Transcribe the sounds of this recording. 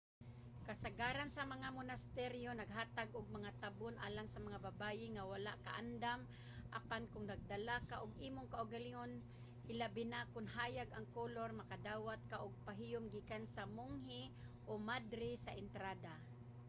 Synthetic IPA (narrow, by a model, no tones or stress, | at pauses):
kasaɡaːɾansamaŋamʊnast̪ɛɾjonaɡɦaːt̪aɡʊɡ̚maŋat̪abʊnʔa̰ːlaŋsamaŋababajɪŋawalaʔka̰ʔand̪am | ʔapankʊŋnaɡ̚d̪alakaʔʊɡʔiːmʊŋkaʔʊɡalɪŋon | hɪlabɪnakʊnɦaːjaɡʔaŋkolormakad̪aːwat̪̚kaʔʊɡ̚paɦijʊmɡikansamʊŋɦɪ | ʔomad̪ɾɪsaʔɪnt̪ɾad̪a